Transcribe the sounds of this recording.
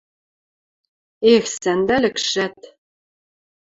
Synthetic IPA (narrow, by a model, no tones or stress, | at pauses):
exsænd̪ælɘ̆kʃæt̪